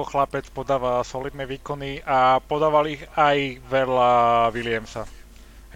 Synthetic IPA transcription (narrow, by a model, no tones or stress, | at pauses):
ɔxlapɛt͡spɔd̪aːʋalsɔlid̪̚nɛʋiːkɔniʔapɔd̪aːʋaliɣajʋɛlaʋilɪɛmsa